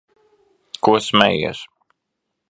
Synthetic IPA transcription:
kuɔsmɛ̰jḭs

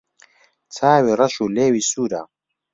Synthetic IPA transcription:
t͡sʰaːwiːrɐʃuːleːwiːsuːɾa̰ː

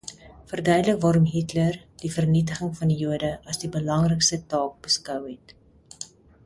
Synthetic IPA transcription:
fərdœɥdələkvɑːɾɔmɦitlərdifərnitəχəŋfɐndijuədəɐsdibəlɐŋrəjkstətɑːk̚bəskœwɦɛt

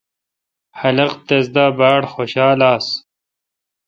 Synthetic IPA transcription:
hɐlɐqt̪ɐzd̪aːbaːɽxoːɕaːlaːs

